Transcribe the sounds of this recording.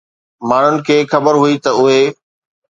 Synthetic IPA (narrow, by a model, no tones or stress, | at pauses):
maːɳ̤ʊnɪ̆kʰeːxɐbəɾɦuit̪ɐʊɦe